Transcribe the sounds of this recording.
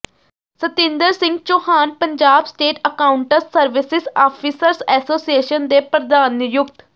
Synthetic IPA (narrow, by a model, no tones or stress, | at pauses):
sət̪ɪ̃ːnd̪əɾsɪ̃ŋɡ̚t͡ʃoːhaːnpəɲd͡ʒaːbsʈeːʈəkaːʊɳʈəsːəɾʋɪsɪsaːpʰiːsəɾsɛːsoːsijeːʃənd̪eːpɾəd̪aːnjʊk̚t̪